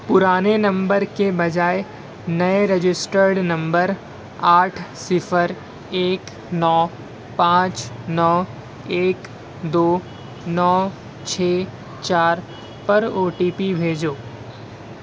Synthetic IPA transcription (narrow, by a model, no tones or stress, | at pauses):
pʊɾaːnenɐ̃mbəɾkebɐd͡ʒaːe | nɐeɾɐd͡ʒɪsʈəɾɖnɐ̃mbəɾ | aːʈʰsɪfʰəɾ | eːk | nɔː | pãːt͡ʃnɔː | eːk | d̪oː | nɔː | t͡ʃʰeː | t͡ʃaːɾ | pɐɾoːʈiːpibʱeːd͡ʒoː